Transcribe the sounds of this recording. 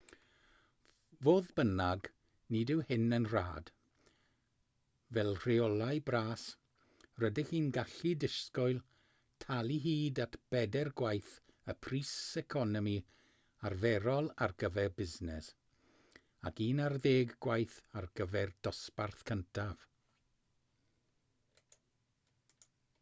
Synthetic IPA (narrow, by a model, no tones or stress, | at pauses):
voːðbənaɡ | nidɪwhɪnənra̰ːd̥ | vɛlˠr̥ɪɔlˠajbraːs | rədɪxiːnɡaɬidɪskɔɨlˠ | tʰalˠiɦiːdatb̥ɛdɛrɡwajθ | əpʰriːsɛkʰɔnɔmi | arvɛɾɔlˠarɡəvɛrbɪznɛs | a̰kiːnarðeːɡɡwajθarɡəvɛrd̥ɔsparθkʰəntʰav̥